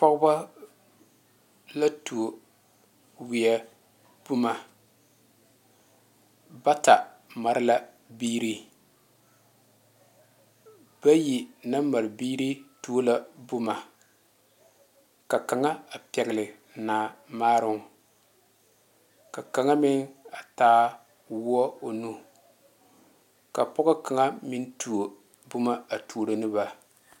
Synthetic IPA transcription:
pɔ˦ɡʊ˦ba˦ | la˦tu˨o˨ | wi˨ɛ˨ | b̥ʊ˦ma˨ | ba˦ta˨ | ma˨ɾɪ˦la˦ | biː˦ɾi˦ | ba˦ji˨na˦ma˨ɾɪ˨biː˦ɾi˦tu˦o˦la˦bʊ˦ma˨ | ka˨ka˨ŋa˦a˨pɛ˨ɣɪ˨lɪ˨ | na˨maː˦ɾʊ˦ŋ˨ | ka˨ka˨ŋa˦mɪ˦ŋa˨taː˦ | wʊ˦ɔ˦o˨nu˦ | ka˨pɔ˦ɣʊ˦ka˨ŋa˦mi˦n˦tu˨o˨ | bʊ˦ma˦a˨tʰu˨ɾo˨nɨ˦ba˨

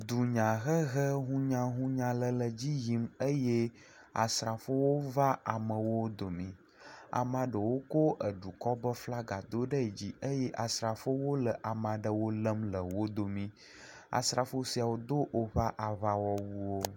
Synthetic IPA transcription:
d̪u˨ɲã˨ɣə˦ɣə˦ɦũ˦ɲã˦ɦũ˦ɲã˨lə˨lə˨d͡ʑi˦ji˦mə˦jɛ˦ | a̰˨sɾa˨fo˦wo˦va˦a˨mə̃˨wo˦d̪o˨mĩ˨ | a̰˨mã˨ɖə˨wo˦ko˦ʔə˨ɖu˨kɔ˦bə˦fla˦ɡa˨d̪o˦ɖə˦ɛ˨d͡ʑi˦ʔə˦jɛ˦ʔa˨sɾa˨fo˦wo˦lə˨ʔa˨mã˨ɖə˨wo˦lə˦mlə˨wo˦d̪o˨mĩ˦ | a̰˨sɾa˨fo˦si˨˦a˨wo˦d̪o˦ʔo˦βa˦ʔa˨βa˦wɔ˦wu˦wo˦

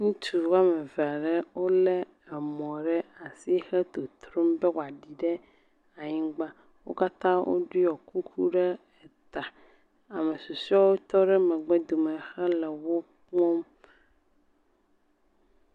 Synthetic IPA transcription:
ŋũ˦t͡ʃu˨wa˦mɛ˨vɛ˨a˨ɖɛ˦wo˦lɛ˦ | ɛ˨mɔ̃˨ɖɛ˦a˨si˦xɛ˦t̪o˨t̪ɾo˦mbɛ˦wa˨ɖi˨ɖɛ˦ | a˨ɲĩ˦ɡ͡ba˦ | wo̰˦ka˦t̪ã˦wo̰˦ɖi˦jɔ˨ku˦kʰu˦ɖɛ˦ | ɛ˨t̪a˨ | a˨me˨su˨si˦ɔ˦wo˦t̪ɔ˦ɖɛ˦mɛ̃˨ɡ͡bɛ˦d̪o˨mɛ̃˨xɛ˦lɛ˨wo˦kɔ̃˦m

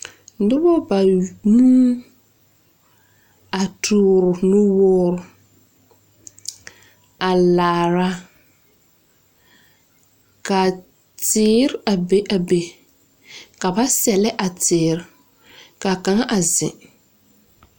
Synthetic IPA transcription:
dʊ˦bɔ˦ba˨nu˦ | a˨tʰʊː˦ɾʊ˨nʊ˦wɔː˦ɾʊ˨ | a˨laː˨ɾa˦ | ka˨ | tɪː˨˦ɾɪ˦a˨be˦ʔa˨be˨ | ka˨ba˦sɛ˨lɛ˦ʔa˨tɪː˨ɾɪ˨ | ka˨ka˨ŋa˦ʔa˨zɪ̰̃˨

